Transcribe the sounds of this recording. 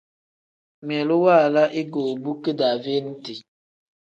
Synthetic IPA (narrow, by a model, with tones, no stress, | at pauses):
m˨ɛ˨lu˦wa˦˨la˦ʔi˦ɡo˨bu˦kə˦da˨ve˦n̩˦ti˨